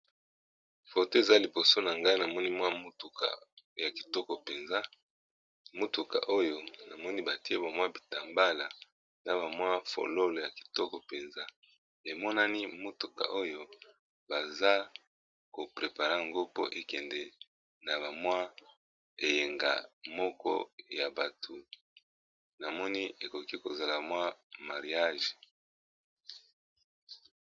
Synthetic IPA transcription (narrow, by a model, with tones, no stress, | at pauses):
fo˨te˦e˨za˦li˨bo˨so˦na˨ŋɡa˦i˦na˨mɔ˦ni˦mwa˦mu˦tu˨ka̰˨ja˨ki̥˨tɔ˦kɔ˨pe˨nza˦ | mo˦tu˨ka̰˨ʔo˦jo˦na˨mɔ˦ni˦ba˨ti˦e˦ba˨mwa˦bi˨ta˨mba˦la˨ | na˨ba˨mwa˦fo̰˨lo˦lo˨ja˨ki̥˨tɔ˦kɔ˨pe˨nza˦ | e˨mɔ˦na˦ni˦mo˦tu˨ka̰˨ʔo˦jo˦ | ba˨za˦ | ko˨pʁe˨pa˨ʁa˦ŋɡo˦po̰˦ʔe˨kɛ˨ndɛ˨ | na˨βa˨mwa˦ | e˨je˨ŋɡa̰˨mɔ˦kɔ̰˦ja˨ba˨tʰu˨ | na˨mɔ˦ni˦e˨ko˨ki˦ko˨za˨la˨ba˨mwa˦ma˨ʁi˨a˦ʒe˨